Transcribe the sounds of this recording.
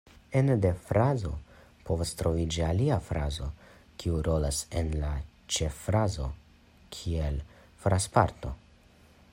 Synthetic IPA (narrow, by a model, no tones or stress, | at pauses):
ende̞fɾazo̞̰ | po̞vastɾo̞vid͡ʒialiafɾazo̞kʰiuɾo̞lasenla | t͡ʃe̞fɾazo̞ | kʰie̞l | fɾaspaɾt̪o̞̰